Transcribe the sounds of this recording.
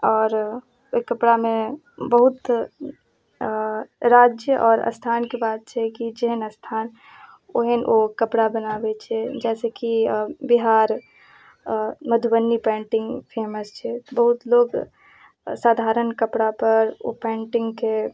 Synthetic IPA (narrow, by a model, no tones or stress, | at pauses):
ɔːɾ | kɐpɽamẽ | bəɦʊt̪ | ɾaːd͡ʒjəʔɔːɾɐ̰st̪ʰaːnkibaːt̪̚t͡ʃʰɛkid͡ʒeɦənəst̪ʰaːn | oɦenʔokɐpɽabənaːbet͡ʃʰɛd͡ʒɛːsekibiɦaːɾ | məd̪ʱbənːipɛ̃ːɳʈɪ̃ŋɡpʰeːməst͡ʃʰɛbɐɦʊt̪loːɡ | saːd̪ʱaːɾənkəpɽapɐɾo̰pɛ̃ːɳʈɪ̃ŋɡke